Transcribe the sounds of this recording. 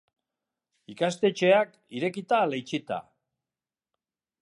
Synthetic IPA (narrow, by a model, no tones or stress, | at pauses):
ikast̪e̞t͡ʃe̞ak | iɾe̞kit̪alejt͡ʃit̪a̰